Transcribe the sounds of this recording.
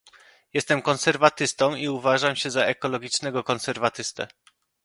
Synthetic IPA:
jɛst̪ɛmkɔnsɛɾvat̪ɘst̪ɔ̃wiuvaʐamɕɛzaɛkɔlɔɡʲit͡ʂnɛɡɔkɔnsɛɾvat̪ɘst̪ɛ̰

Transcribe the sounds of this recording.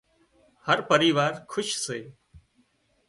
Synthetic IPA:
həɾpəɾiːʋaːɾkʰʊʃseː

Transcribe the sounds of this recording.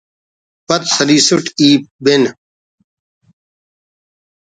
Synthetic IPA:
pɐt̪sɐliːsuʈiːp̚ben

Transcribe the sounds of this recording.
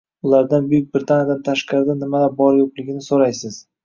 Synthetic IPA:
ʊlaɾd̪anbʊjʊk̚ʲbɾɪt̪ʰanjad̪ant̪ʰaʃqɑɾɪd̪anɪmad̪abɒɾjoqlɪɡʲɪnɪsoɾajsɪz̥

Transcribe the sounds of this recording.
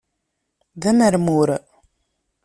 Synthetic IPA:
ðæməɾmuɾ

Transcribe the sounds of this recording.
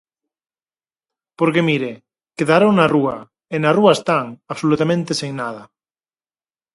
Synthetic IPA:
poɾkemiɾe | keðaɾoŋnarua | enaruaest̪aŋaβsolut̪amẽnt̪esiŋnað̞a

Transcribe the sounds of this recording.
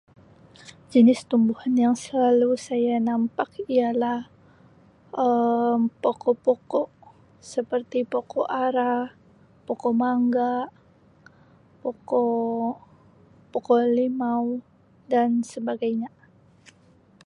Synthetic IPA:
d͡ʒənɪst̪umbuhanjaŋsəlalusajanampakialah | ʔəmpokɔpokɔʔ | səpərt̪ipokɔʔaɾa | pɔkɔmaŋɡaʔ | pokɔ | pokɔlimaw | dansəbaɡajɲa

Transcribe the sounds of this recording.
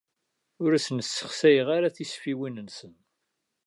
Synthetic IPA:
ʊɾæsənəsːə̥χsæjʁaɾaθisfiwinənsən

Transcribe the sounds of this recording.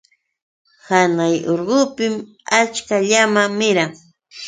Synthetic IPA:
hanajoɾɢʊpɪm | at͡ʃkaʎamaŋmɪɾaŋ

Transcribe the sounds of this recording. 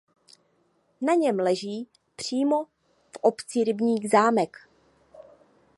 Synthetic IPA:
naɲɛmlɛʒiː | pr̝̥iːmo̞ | fʔo̞pt͡sɪɾɪbɲiːɣzaːmɛk

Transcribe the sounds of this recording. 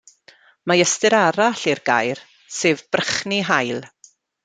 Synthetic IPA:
majəstɨɾaɾaɬirɡa̰jr | seːvb̥rəχniɦajlˠ

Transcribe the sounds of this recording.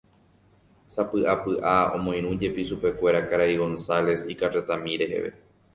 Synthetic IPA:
sapɨʔapɨʔaõ̰mõ̞j̃ɾ̃ũd͡ʒe̞piʃupe̞kʷe̞ɾakaɾaiɡo̞nsale̞sikaret̪amĩɾe̞ɦe̞̰ʋe̞̰

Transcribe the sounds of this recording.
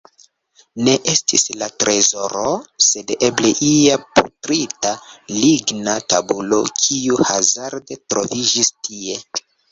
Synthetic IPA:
ne̞ʔe̞stislatɾe̞zo̞ɾose̞de̞ble̞ʔiaputɾitaliɡnatabulo̞kʰiuhazaɾdetɾo̞vid͡ʒistʰie̞

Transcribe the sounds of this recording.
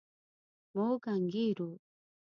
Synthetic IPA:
moɡaŋɡiɾu

